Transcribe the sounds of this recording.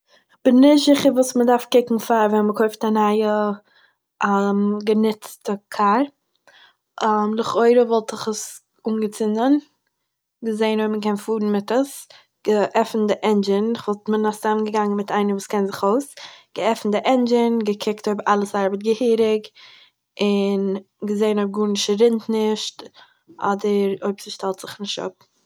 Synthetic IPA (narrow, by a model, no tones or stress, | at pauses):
b̥ɪnnɪzɪχəɾvuːsmədaɾfkɪkŋ̩faɾvɛnməkʰɔɪftanaɪə | mɡənɪt͡stəkʰaɾ | mlˠɪχoɪɾəvɔlˠtɪχəs | uːnɡət͡sɪnən | ɡəzeɪnvɛɪməkɛnfuːɾn̩mɪtəs | ɡ̥əʔɛfn̩dɪʔɛnd͡ʒɪnɪχvɔlˠtmənasamənɡəɡaŋənmɪtaɪnəvuːskɛnzɪχoʊsɡ̥əɛfn̩dɪʔɛnd͡ʒɪnɡəkʰɪktoɪbəɾalˠəsaɾbət̚ɡəhiːɾɪk | ɪn | ɡəzeɪnɔb̚ɡuːɾnɪʃɾɪntnɪʃt | ʔɔ̰dəɾoɪpsɪʃtɛlˠtz̥ɪχnɪʃtʊ̰p̚